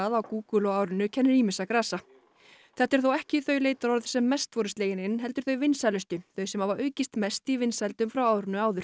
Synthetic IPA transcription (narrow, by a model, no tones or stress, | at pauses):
aðawkuːkʏlɔaːwɾʏnʏcʰɛnːʏɾiːmɪsakɾaːsa | θɛht̪ːɛɾ̥θowɛhcɪθœɥleːjt̪aɾɔɾð̥sɛmːɛst̪vɔːɾɪst̪leːjɪnɪnɦɛl̪t̪ʏɾ̥θœɥvɪnsajlʏst̪ʏθœɥsɛmhavaɾœːɥcɪst̪mɛst̪ivɪnsajlt̪ʏmfɾawaːwɾʏnːʏaːwðʏɾ